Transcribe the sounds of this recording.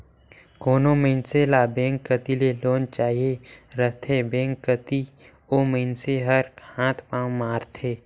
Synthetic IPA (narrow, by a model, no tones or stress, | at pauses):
koːnoməɦɪnselabɛ̃ːŋkːət̪ileloːnt͡ʃaːɦieɾət̪ʰebẽːŋkːət̪i | oməɪnseɦəɾkʰãːt̪ʰpãːwmaːɾt̪ʰeː